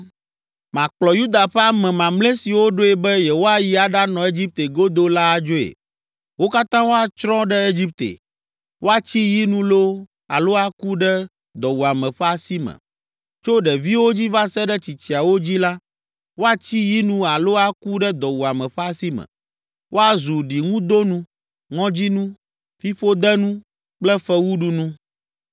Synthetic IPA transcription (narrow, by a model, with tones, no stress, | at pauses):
mã˨k͡plɔ˨ju˦d̪a˨ɸɛ˦a˦˨mɛ̃˨mã˨mle˦si˨wo˦ɖo˦ɛ˨bɛ˦jɛ˨wo˦a˨ji˦a˨ɖa˦nɔ̃˨e˦d͡ʑi˦p̚t̪e˨ɡo˦d̪o˦la˦d͡ʒo˦ḛ˨ | wo˦ka˦t̪ã˦wo˦a˨t͡ʃɾɔ̃˦ɖɛ˦e˦d͡ʑi˦p̚t̪ḛ˨ | wo˦a˨t͡ɕi˦ji˦nũ˦lo˦ | a˨lo˦a˦ku˦ɖɛ˦ | d̪ɔ˨wu˨a˨mɛ̃˨ɸɛ˦a˨si˦mɛ̰̃˨ | t͡ʃo˦ɖɛ˨vi˦wo˦d͡ʑi˦va˦sɛ˦ɖɛ˦t͡ɕi˨t͡ɕi˨a˨wo˦d͡ʑi˦la˦ | wo˦a˨t͡ɕi˦ji˦nũ˦a˨lo˦a˦ku˦ɖɛ˦d̪ɔ˨wu˨a˨mɛ̃˨ɸɛ˦a˦si˦mɛ̰̃˨ | wʔo˦a˨zu˨ɖi˨ŋũ˦d̪o˦nũ˦ | ŋɔ̃˦d͡ʑi˦nũ˦ | fi˦ɸo˦d̪ɛ˦nũ˦ | k͡plɛ˦fɛ˦wu˦ɖu˦nũ˦